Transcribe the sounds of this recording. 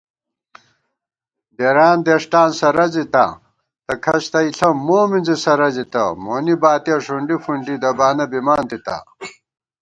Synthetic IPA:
d̪eɾaːnd̪eʂʈaːnsɐɾɐzit̪a̰ | t̪ɐkʰɐɕt̪ɐiɬɐmoːminzisɐɾɐzit̪ɐ̰moːnibaːt̪ijɐʂuɳɖifuɳɖid̪ɐbaːnɐbimaːnt̪it̪a̰

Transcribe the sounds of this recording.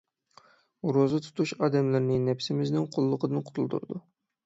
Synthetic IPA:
ɾozɨt̪ʰu̥t̪ʰuʃɑːd̪ɛmlɪɾnɪŋnɛpsɪmɪznɪŋqʰʊlˠːʊqəd̪ɨnqʰʊ̥t̪ʰulˠd̪ṵɾɨd̪u

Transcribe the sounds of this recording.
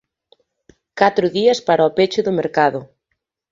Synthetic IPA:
kat̪ɾʊðiɐspaɾaɔpet͡ʃʊðʊmeɾkaðʊ

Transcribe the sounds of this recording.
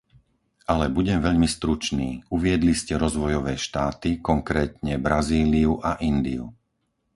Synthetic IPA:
alɛbuɟɛmʋɛʎmist̪ɾut͡ʃniːuʋɪɛd̪liscɛɾɔzʋɔjɔʋɛːʃt̪aːt̪ikɔŋkɾɛːt̪ɲɛbɾaziːliuʔaʔind̪ḭṵ

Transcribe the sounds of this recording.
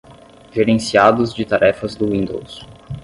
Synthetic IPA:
ʒeɾẽsiad̪ʊzd͡ʒɪt̪aɾʔɛfɐzd̪ʊwĩnd̪o̰ws

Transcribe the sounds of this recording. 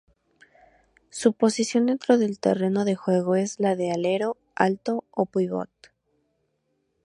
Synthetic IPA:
supo̞sisjo̞nd̪e̞nt̪ɾo̞ðe̞lt̪e̞̰re̞no̞ðe̞xwe̞ɣ̞o̞e̞zlaðe̞ale̞ɾo̞ | a̰lt̪o̞opujβo̞̰t̪

